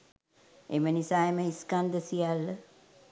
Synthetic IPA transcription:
ḛmənisaːeməiskand̪əsijalːə

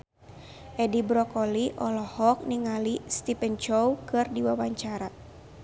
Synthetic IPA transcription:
ʔɛdibɾɔkɔliʔɔlɔhɔk̚niŋalist̪ipɛnt͡ʃɔwkɨrdiwawaɲt͡ʃaɾa

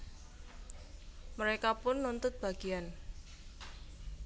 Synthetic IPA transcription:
məɾekapʊnːunt̪ʊt̪̚b̥a̤ɡ̥ian

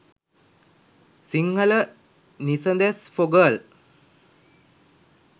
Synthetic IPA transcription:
siŋɡələ | nisənd̪esfoɡəl

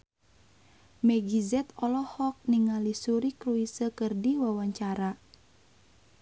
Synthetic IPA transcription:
mɛɡizɛt̪ɔlɔhɔk̚niŋalisuɾikɾuisəkərdiwawaɲt͡ʃaɾa

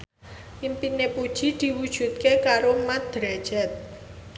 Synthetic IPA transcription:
ʔimpinepud̥ʒ̥i̤d̪̥i̤wud̥ʒ̥ṳt̪̚kekaɾomat̪̚d̪̥ɾɛd̥ʒ̥ɛt̪̚

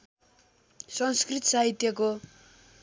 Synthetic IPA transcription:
sʌŋskrit̪ʌ̥saɦit̪jʌko

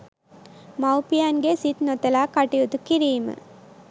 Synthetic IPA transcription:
mɐwpijaːnɡesit̪not̪ɐlaːkaʈijut̪ukːiɾiːmɨ̰

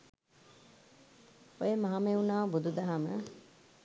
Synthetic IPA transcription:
ojemaɦameunaːbud̪ud̪aɦamə

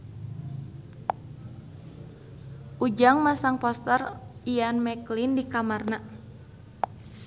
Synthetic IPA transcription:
ʔud͡ʒaŋmasaŋpɔst̪ərianmɛklindikamarna

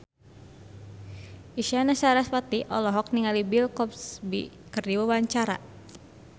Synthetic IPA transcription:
iʃanasaɾaspat̪iʔɔlɔɦɔk̚niŋalibilkɔp̚sbḭ | kərdiwawaɲt͡ʃaɾa̰

